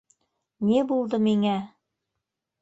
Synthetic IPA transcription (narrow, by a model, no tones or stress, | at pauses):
nibulˠd̪ɤmiŋæ